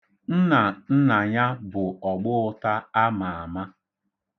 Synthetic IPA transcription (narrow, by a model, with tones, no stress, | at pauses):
n̩˦na˨n̩˦na˨ɲa˦bʊ˨ɔ˨ɡ͡bʊ˦ʊ˦ta˦a˦ma˨a˨ma˦